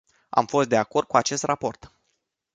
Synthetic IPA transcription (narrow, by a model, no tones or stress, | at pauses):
a̰mfo̞st̪̚d̪e̞ako̞rd̪̚kuat͡ʃe̞st̪rapo̞rt̪